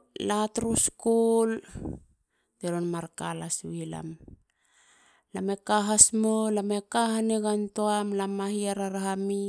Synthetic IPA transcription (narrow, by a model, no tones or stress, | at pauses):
latɾuskol | teɾonmaɾkalasuila̰m | lamekaɦasmolamekahaneɡantoamlamahiaɾaɾaɦami